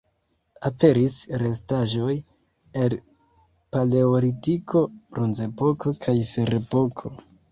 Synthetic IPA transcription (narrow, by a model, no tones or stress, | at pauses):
ape̞ɾisɾe̞s̬taʒo̞j | el | pale̞oɾitikʰo̞bɾonze̞po̞ko̞kʰajfe̞ɾepo̞kʰo̞